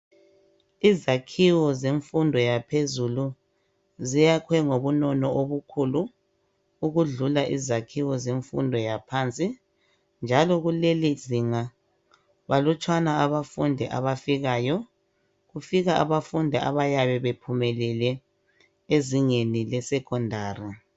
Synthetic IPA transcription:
izakʰiwɔzeɱfundʱɔjapʰezulu | zijakʰwɛŋoβunɔnɔoβukʰulu | uɣuɮulaʔizakʰiwɔzeɱfṵndʱɔjapʰaːnt͡sʼi | nd͡ʒʱalɔɣuleliziŋa | βalut͡ʃʼwanaaβafundʱiʔa̰βafiɣaːjɔ | ɣufiɣaʔa̰βafundʱia̰βajaβɛβepʰumɛlɛlɛ | eziŋenilɛsɛkʰɔndʱaːri

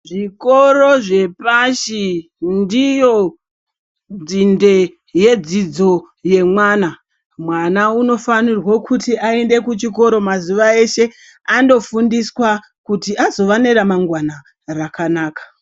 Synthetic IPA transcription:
ʐiko̞ɾo̞ʐe̞paʃi | ndijo̞ | d͡zinde̞ | je̞d͡zid͡zo̞ | je̞mwaːna | mwanauno̞fanirwokʰutiʔaende̞kut͡ʃiko̞ɾo̞mazuʋae̞ʃe̞ | ando̞fundiswa | kutiʔazo̞ʋane̞ɾamaŋɡwana | rakanaːkḁ

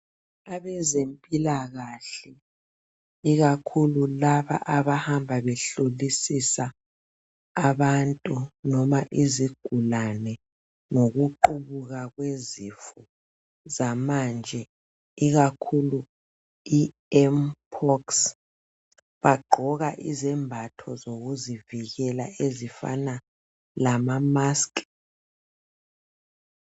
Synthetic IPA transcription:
aβɛzempʼilaɣaɬɛ | iɣakʰululaβa̰ʔaβahambʱaβɛɬolisisaː | βantʼunɔmaʔiziɡ̥ʱulanɛ | ŋoɣuǃuβuɣaɣwezifu | zamand͡ʒʱɛ | iɣakʰulu | i | ɛmpʰɔks | βaɡ͡ǃʱɔɣaʔizɛmbʱatʰɔzoɣuziviɣɛla̰ʔezifa̰na | lamamaːskʼi

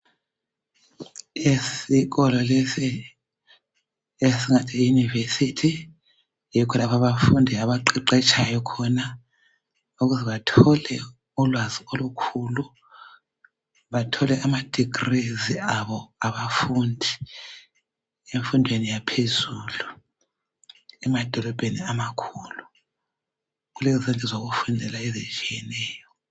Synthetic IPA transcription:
esiɣɔlɔlɛsi | esiŋatʰijunivesitʰi | jɛkʰɔlaβaβafundʱiaβaǃiǃɛt͡ʃʰʼajɔkʰɔna | uɣuzɛβatʰɔlɛ | ulwaziolukʰulu | βatʰɔlɛʔamad̥ʱiɡreziaβɔaβafundʱi | eɱfundʱwenijapʰezuːlu | ɛmad̥ʱɔlɔb̥ʱeniamakʰulu | ɣulɛzind͡ɮʱʼɛzoɣufundʱɛlaezit͡ʃʼijɛnɛːjɔ

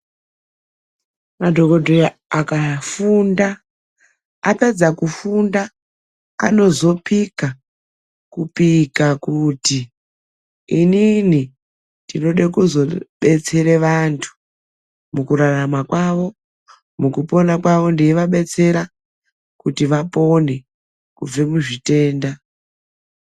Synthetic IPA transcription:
madʱo̞ko̞dʱe | akafunda | pe̞d͡zakufunda̰ː | no̞zo̞pika | kupikakuti | inini | tdino̞ɗekuzo̞ɓe̞t͡se̞ɾe̞ʋantʰu̥ | mukuɾaramakwaʋo̞ | mukupo̞nakwaʋo̞ndeiʋaɓe̞t͡se̞ɾa | kutiʋapo̞ne̞ | kub͡vemuʐite̞ːnda

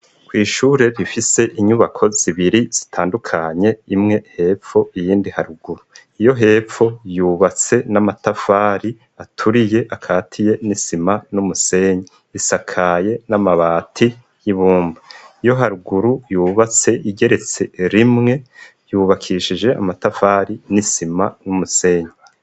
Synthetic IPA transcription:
kwiːʃuːɾe̞ɾifise̞ʔiɲuβakʰo̞z̥iβiɾiz̥i̥tʰaːndukʰaɲe̞imŋe̞he̞ːp͡ffo̞ijiːndihaɾuɡuɾu | ijo̞ɦe̞ːp͡fo̞juːβat͡se̞namatafaːɾi | atʰuɾije̞ʔakʰaːtʰije̞nisimanumuse̞ːɲi | isakʰaje̞namaβaːtʰi | jiβuːmbaijo̞ɦaɾuɡuɾujuːβat͡se̞iɟe̞ɾe̞t͡seɾimŋe̞ | juːβakʰiʃid͡ʒe̞ʔa̰matafaːɾinisimanumuse̞ːɲi

